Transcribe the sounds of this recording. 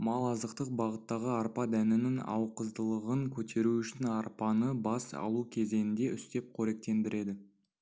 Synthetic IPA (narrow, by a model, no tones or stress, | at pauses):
mɑlˠɑzəqt̪əq̚bɑʁət̪ːɑʁəɑɾpɑd̪ænɪnɪŋɑ̰wqəzd̪əlˠəʁəŋkʲʰɵt̪ʰe̞ɾuʏʃɪnɑɾpɑnəbɑsɑ̰lˠukʲʰe̞ze̞nɪnd̪e̞ʔʏst̪e̞p̚qʰɵɾe̞k̚t̪e̞nd̪ɪɾʔe̞d̪ɪ